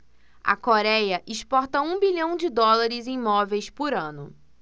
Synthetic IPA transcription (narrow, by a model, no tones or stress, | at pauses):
ɐ̰koɾɛjɐʔɪʃpɔɾt̪ɐũbiʎɐ̃w̃d͡ʒɪd̪ɔlaɾɪzẽj̃mɔvejspʊɾɐ̃nʊ